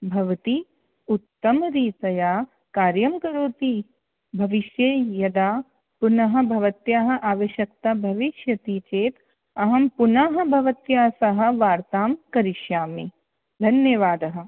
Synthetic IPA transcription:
bʱɐʋɐt̪i | ut̪ːɐmɐɾiːt̪ɐjaː | kaːɾjɐmkɐɾoːt̪i | bʱɐʋiʃjeːjɐd̪aː | punɐɦɐ̆bʱɐʋɐt̪jaːɦɐ̆ʔaːʋɐʃjɐk̚t̪abʱɐʋiʃjɐt̪it͡ʃeːt̪ | ɐɦɐmpunaɦɐ̆bʱɐʋɐt̪jaːsɐɦɐ̆ʋaːɾt̪aːmkɐɾiʃjaːme | d̪ʱɐnjɐʋaːd̪ɐɦɐ̆

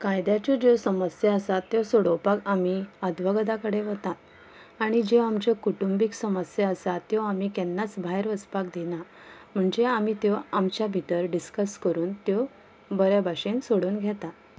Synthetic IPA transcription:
kajd̪jat͡ɕɔd͡ʑosəməsjeəsat̪ːjosoɽəwpakamiəd̪ʋaɡəd̪akəɽeʋət̪at̪ | aɽ̃id͡ʑeamt͡ɕekuʈumbiksəməsjeəsat̪ːjoamiːkɛnːat͡sbʱaɦeɾʋəspakd̪ina | m̤əɳd͡ʑeamit̪joamt͡ɕjabʱit̪əɾɖiskəskəɾuːnt̪jo | bəɾabʱaɕensoɽuːnɡʱjɛt̪at̪

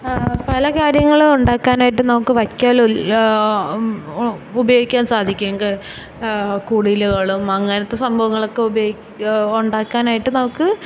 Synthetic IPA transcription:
pɐlɐkaːɾjɐŋːɐɭuɳɖaːkːaːnaːjiʈ̬ːɨnɐmukːɨʋɐkʲːaːl | ubɐjoːɡikʲːaːnsaːd̪ʱikʲːeŋɡe | kuːɽiiluɣɐɭumɐŋːɐnɐt̪ːe̞sɐmbʱɐʋɐŋːɐɭo̞kːe̞ubɐjoː | uɳɖaːkːaːnaːjiʈːɨnɐmukːɨ

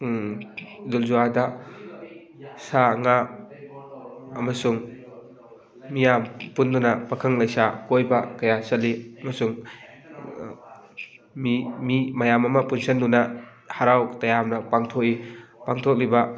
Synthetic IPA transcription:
zulzuadɐ | saŋa | ɐmɐsuŋ | mijampundunɐpɐkʰɐŋlɐjsakojbɐkɐjasɐliɐmɐsuŋ | mimimɐjamɐmɐpunsɐndunɐ | haɾawtɐjamnɐpaŋtʰok̚ipaŋtʰok̚libɐ

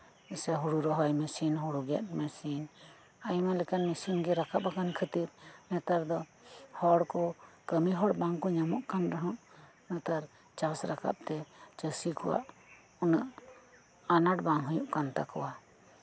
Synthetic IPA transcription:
ɛsɛɦuɽuɾɔɦɔjmɛsinɦuɽuɡɛ̰t̪̚mɛsin | ajmalɛkanmɛsinɡɛɾakapakankʰət̪iɾnɛt̪aɾd̪ɔ | hɔɽkɔkəmiɦɔɽbaŋkɔɲamɔʔkanɾɛɦɔʔ | nɛt̪aɾ | t͡ʃasɾaka̰p̚t̪ɛt͡ʃəsikɔwa̰ʔ | unəʔ | anaʈbaŋɦujuʔkant̪a̰kɔwa

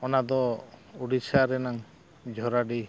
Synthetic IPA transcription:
ɔnad̪ɔuɽisʰaɾɛnaŋ | d͡ʒʱɔɾaɖi

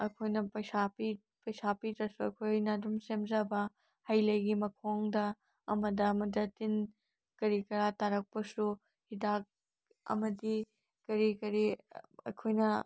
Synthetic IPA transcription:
ɐkʰojnɐpɐjsapi | pɐjsapitɾɐsuɐ̰jkʰojnɐdumsemzɐbɐ | hɐjlɐjɡimɐkʰoŋdɐː | mɐdɐːmɐdɐtin | kɐɾikɐɾataɾɐk̚pɐsu | hidak̚ | ɐ̰mɐdi | kɐɾikɐɾiɐ̰kʰojnɐ

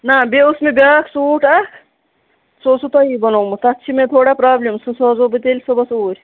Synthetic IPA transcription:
nabeusmẽbʲaːksuːʈa | soːsut̪ɐibɐnoːmut̪ɐtːt͡ʃʰimẽt̪ʰoːɽapɾaːblemsusoːzobit̪elʲsɐbɐsoːɾʲ

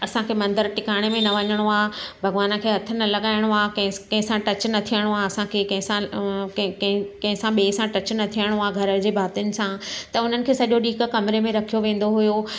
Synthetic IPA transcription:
ɐsãkʰeːmɐ̃nd̪əɾʈɪkaːɽ̃emẽnɐʋɐɲəɽ̃oaːbʱɐɡʋaːnkʰeːɦɐt̪ʰənɐlɐɠaːɪɽ̃oaːkɐ̃ɦkɐ̃ɦɪ̃sãʈɐt͡ɕnɐt̪ʰijəɽ̃oaːɐsãkʰeːkɐ̃ɦɪ̃sã | kɦkɐ̃ɦɪ̃sãɓiːsãʈɐt͡ɕnɐt̪ʰijəɽ̃oaːɡʱɐɾəd͡ʑeːbʱaːɾt̪ijʊnɪ̆sãt̪ɐʊn̤ənɪ̆kʰeːsɐʄoɗiːkkɐmɾemẽɾɐkʰijoʋẽːn̆d̪oɦʊjoː

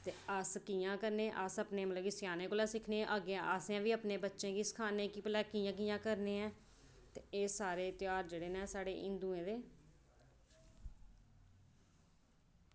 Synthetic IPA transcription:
t̪eːəskiːãːkəɾnẽːʔəsəpneːmələɡisɪjaːneːkoːlaːsɪkʰnẽːʔəɡeʔaːsjãːʋiːəpneːbətːʃẽːkiːsə̥kʰaːnẽːkiːpəlɛːkiːjãːk̬ijãːkəɾneːɛ̃ː | t̪eeːsaːɾeːt̪ɪjaːɾd͡ʒeːɽeːnɛ̃ːsaːɽḛːʔɪ̃nd̪uːẽːd̪eː

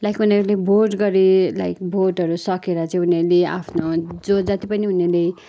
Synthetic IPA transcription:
lajkuneɾulebʱorʈɡʌɾila̰jkbʱorʈʌɾusʌkeɾʌt͡sʌ̃ĩunelea̰pʰnod͡zod͡zʌt̪ipʌniunele

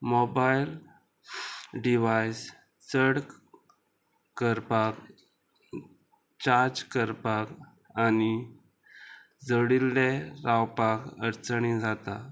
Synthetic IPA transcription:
mɔbajl | ɖiʋajs | səɽk | kəɾpak | t͡ɕaɾd͡zkəɾpak | ani | d͡zəɽildeɾawpakəɾt͡sɳid͡zat̪a

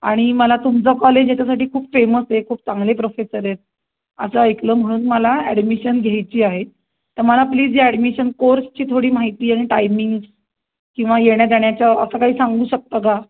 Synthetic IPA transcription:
aɽ̃iməlat̪umt͡səkɔled͡ʑjat͡ɕasaʈiːkʰuːpfeməsɦekʰuːp̚t͡sãŋɡlepɾofesəɾet̪̚ | ə̰səəjkləːm̤əɽ̃uːnməlaɛɽmiɕənɡʱajt͡ɕiːaɦe | t̪əɾməlapliːd͡zd͡ʑeɛɽmiɕənkoɾst͡ɕiːt̪ʰoɽiːmaɦit̪iːaɽ̃iʈajmiŋɡs | kĩw̃ʋajeɽ̃jad̪jaɳjat͡ɕjaəsəkaɦiːsaŋɡuːɕək̚t̪aka

